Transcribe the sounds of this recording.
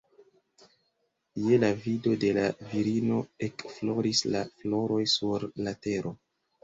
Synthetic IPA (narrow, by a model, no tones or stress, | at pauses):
jelavido̞de̞laviɾino̞e̞kflo̞ɾislaflo̞ɾo̞jsuɾlate̞ɾo̞